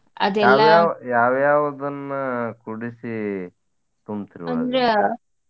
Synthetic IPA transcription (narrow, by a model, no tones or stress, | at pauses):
ɐd̪ɛalːajaːjaːʋjaːʋɐd̪ɐnːɐkuɽisi | t̪umt̪iɾiʋɐa̰ɾe